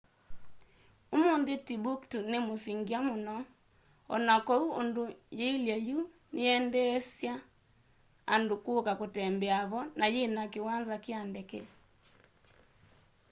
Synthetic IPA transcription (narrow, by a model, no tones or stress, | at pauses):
omondetibuktunemosiŋɡiamonɔ | ɔ̰nakɔuondojeiljɛju | neɛndɛːsja | andokokakotɛmbɛaβɔnajenakewanzakeandɛkɛ̰